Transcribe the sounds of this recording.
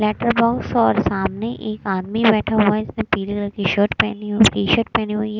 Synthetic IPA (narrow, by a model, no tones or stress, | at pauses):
lɛːʈəɾbɔːksɔːɾsaːmneʔeːkaːd̪mibɛːʈʰaɦuaɛɪsnẽpiːliɡlɐɾkiʃoːʈpɛːniɦkiʃoːʈ̚pɛːniɦuiɦɛː